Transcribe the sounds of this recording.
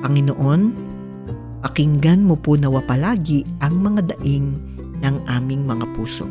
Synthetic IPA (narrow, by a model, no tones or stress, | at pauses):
pɐŋɪnoʔo̞n | pɐkɪŋɡɐnmoponɐwɐpɐlaːɡɪʔɐŋmɐŋad̪ɐʔɪŋ | nɐŋʔaːmɪŋmɐŋapuːso̞̰